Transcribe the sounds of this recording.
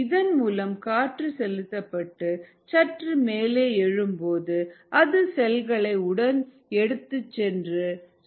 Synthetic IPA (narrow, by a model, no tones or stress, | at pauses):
ɪðɐnmuːlɐmkaːʈrɯsɛlɯt̪ːɐpːɐʈːɯ | t͡ʃɐʈrɯmeːleːɛɻɯmpoːðɯɐðɯsɛlɣɐɭɐɪʊɽɐn | ɛɽɯt̪ːɯt͡ʃːɛndrɯ